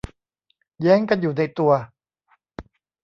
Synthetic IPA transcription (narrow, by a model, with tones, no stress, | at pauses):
jɛː˦˥ŋka˧njuː˨˩na˧jt̪u˧ɐ